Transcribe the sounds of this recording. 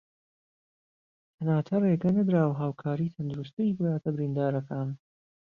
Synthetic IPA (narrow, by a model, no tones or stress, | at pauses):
t̪ʰɐnaːt̪ʰɐreɡɐnɐd̪ɾaːwɦaːwkʰaːɾiːt̪ʰɐnd̪uɾust̪ɨiːbɨlaːt̪ʰɐbɪɾiːnd̪aːɾɐkaːn